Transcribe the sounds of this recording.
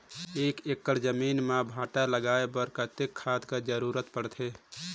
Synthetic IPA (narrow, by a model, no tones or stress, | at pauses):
eːkekːəɾd͡ʒəminmabʱaːʈaləɡaːebəɾkət̪ekʰːaːd̪kad͡ʒəɾuɾət̪pəɽt̪ʰe